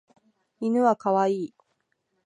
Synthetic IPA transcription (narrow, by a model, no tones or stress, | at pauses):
inɯ̟βakaβaiː